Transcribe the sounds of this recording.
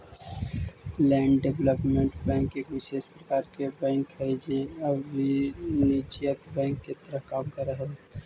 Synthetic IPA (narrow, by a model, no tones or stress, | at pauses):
lɛːɳɖɖebləpmẽɳʈbɛ̃ːŋkekʋɪʃeːʃpɾəkaːɾkebɛ̃ːŋkɦɛd͡ʒeəbinid͡ʒiət̪bɛ̃ːŋkːet̪əɾəɦkaːmkəɾəɦo